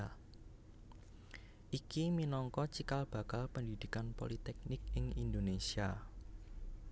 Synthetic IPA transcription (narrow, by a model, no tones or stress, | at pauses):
ʔikiminɔŋkɔt͡ʃikalb̥ä̤kalpənd̪id̪̥i̤kanpo̰lit̪ɛk̚nɪk̚ɪŋind̪onesia